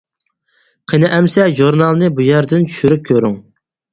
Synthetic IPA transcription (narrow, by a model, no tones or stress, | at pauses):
qʰenɪʔɛmsɛʒuɾnɑlˠnɨbujæɾd̪ɪnt͡ʃʰy̥ʃyɾyp̚kʲʰøɾyŋ